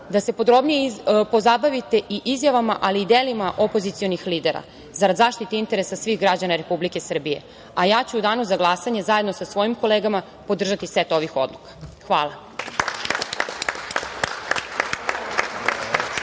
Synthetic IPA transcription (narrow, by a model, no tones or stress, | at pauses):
d̪ase̞pod̪ɾo̞bnijepo̞zabaʋit̪e̞ʔiʔizjaʋamaʔaliːd̪eːlimaʔo̞pozit̪sijo̞nixliːd̪eɾa̰ | zaɾad̪zaːʃt̪it̪eint̪e̞ɾesasʋixɡɾad͡ʑanaɾe̞publike̞sr̩bije̞̰ | ajaːt͡ɕuud̪aːnuzaɡlˠasaɲe̞zaje̞d̪no̞sasʋo̞jimko̞leːɡama | po̞d̪r̩ʒat̪isʋet̪o̞ʋixo̰d̪lukḁxʋaːlˠa